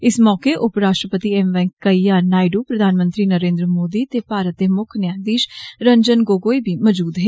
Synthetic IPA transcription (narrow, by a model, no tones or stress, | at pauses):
ɪsmɔːkeʔʊpɾaːʃʈɾəpət̪iɛmʋɛ̃ːŋkkːəijaːnaːɪɖoːpɾəd̪ʱaːnmə̃nt̪ɾiːnəɾẽːnd̪ɾəmoːd̪iːt̪epaːɾət̪̚d̪emʊkʰnjaːd̪iːʃɾəɲd͡ʒənɡoːɡoːibʱiːmɔd͡ʒuːd̪ɦeː